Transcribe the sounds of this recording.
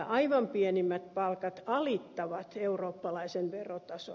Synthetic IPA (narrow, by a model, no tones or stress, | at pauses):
ʔɑiʋɑmpiɛnimːæt̪̚pɑlkɑt̪ɑlit̪ːɑʋɑt̪euroːpːɑlɑisenʋerot̪ɑso̰